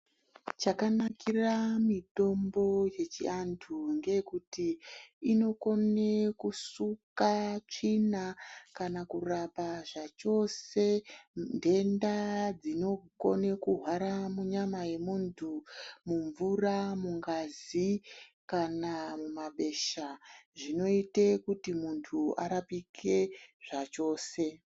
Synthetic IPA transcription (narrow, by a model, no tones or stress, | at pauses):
t͡ʃakanakiramito̞mbo̞je̞t͡ʃḭantʰuŋɡe̞kutiːno̞ko̞ne̞kusukat͡ʂinakanakurapaʐat͡ʃo̞se̞nde̞ndad͡zino̞ko̞̰ne̞kuɦwaɾamuɲamaje̞muntʰumuɱvuramuŋɡazikanamumaɓe̞ʃaʐino̞itekutimuntʰua̰ɾapikʰe̞ʐ̥at͡ʃo̞ːse̞